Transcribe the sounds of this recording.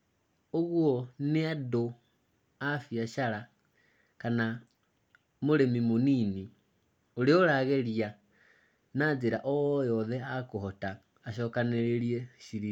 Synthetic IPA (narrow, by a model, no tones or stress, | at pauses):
oɣwɔneado | afjaʃaɾa | kana | moɾemimonini | oɾeoɾaɣeɾia | nad͡zeɾaʔɔjɔðɛakohotaː | ʃɔkaneɾeɾieʃiɾi